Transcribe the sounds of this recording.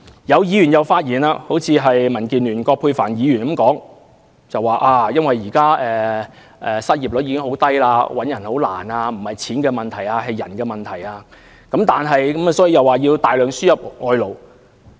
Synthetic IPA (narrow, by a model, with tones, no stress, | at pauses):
jɐ˨˧wjiː˨˧ɥy˨˩njɐ˨wfaː˧t̚jiː˨˩naː˧ho˨˥wt͡sʰiː˧ɦɐ˨jmɐ˨˩nkiː˨nlyː˨˩nkɔː˧k̚pʰuː˧jfaː˨˩njiː˨˧jyː˨˩nkɐ˨˥mkɔː˨˥ŋ | t͡sɐ˨wːaː˨˩ʔaː˧jɐ˥nwɐ˨jːiː˨˩kaː˥ɛː˨ | ʔɛː˨sɐ˥t̚jiː˨˩p̚lʊ˨˥iː˧˥kɪ˥ŋho˨˥wt̪ɐ˥jlaː˧wɐ˨˥njɐ˨˩nho˨˥wla̰ː˨˩naː˧m̩˨˩hɐ˨jt͡sʰiː˨˥nkɛː˧mɐ˨nt̪ʰɐ˨˩jaː˧ɦɐ˨jːɐ˨˩nkɛː˧mɐ˨nt̪ʰɐ˨˩jaː˧ | kɐ˨˥mt̪aː˨nɦɐ˨jkɐ˨˥m˨˩sɔː˨˥ji˨˧jɐ˨˩waː˨˩jiː˧wt̪aː˨˩jlœː˨ŋsyː˥jɐ˨˩p̚ŋɔː˨˧jlo˨w